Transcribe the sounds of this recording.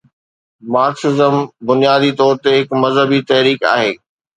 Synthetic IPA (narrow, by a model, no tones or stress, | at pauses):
maːksɪzəmbʊnijaːd̪it̪ɔːɾt̪eɦɪkmɐzɦəbit̪ɐɦɾiːka̰ːɦeː